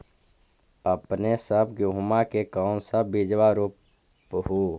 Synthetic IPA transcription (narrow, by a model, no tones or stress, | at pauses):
əpnesəbɡʊɦmakekɔːnsəbːid͡ʒwaɾup | ɦuː